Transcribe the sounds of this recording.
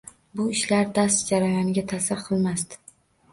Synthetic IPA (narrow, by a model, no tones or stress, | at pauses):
bʊɪʃlaɾd̪ast̪d͡ʒaɾajɒnɪɡʲat̪ʰasɪɾqʰɨlˠmast̪ɪ̥